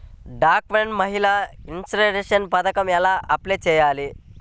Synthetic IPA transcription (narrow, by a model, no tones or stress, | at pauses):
ɖaːkʋeɳmɐɦilaːinsɾɐɾeʂɐnpɐd̪ɐkɐmɛlaːʔɐpleːt͡ʃɛːjaːli